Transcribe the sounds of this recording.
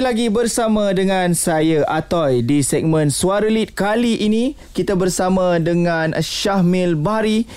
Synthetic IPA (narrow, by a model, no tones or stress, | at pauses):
laɡibərsamãdəŋãnsajaʔat̪ɔjdisɛk̚mə̃nsuaɾəlit̪̚kaliʔinĩ | kit̪abərsamãdəŋãnʃahmilbaɾi